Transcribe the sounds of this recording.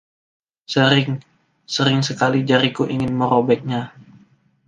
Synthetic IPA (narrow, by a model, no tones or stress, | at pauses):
səɾɪŋ | səɾɪŋsəkalid͡ʒaɾikuʔiŋɪnməɾobɛk̪̚ɲa